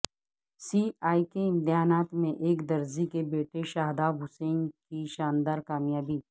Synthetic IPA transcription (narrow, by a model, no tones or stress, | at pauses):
siːaːikeɪ̃nt̪ɪɦaːnaːt̪mẽʔeːkd̪ɐɾzikebeːʈeʃaːɦd̪abʱʊsẽːnkiʃaːnd̪aːɾkaːmjaːbiː